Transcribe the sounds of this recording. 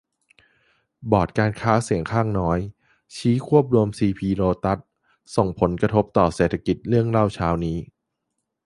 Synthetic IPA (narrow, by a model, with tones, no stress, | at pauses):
bɔː˨˩t̪̚kaː˧nkʰaː˦˥si˨˩˦əŋkʰaː˥˩ŋnɔː˦˥j | t͡ɕʰiː˦˥kʰu˥˩əp̚ɾu˧əmsiː˧pʰiː˧ɾoː˧t̪a˦˥t̪̚ | so˨˩ŋpʰo˩˦nkɾa˧t̪ʰo˦˥p̚t̪ɔː˨˩seː˨˩t̪ʰa˧ki˨˩t̪̚ɾɯ˥˩əŋla˥˩wt͡ɕʰaː˦˥wniː˦˥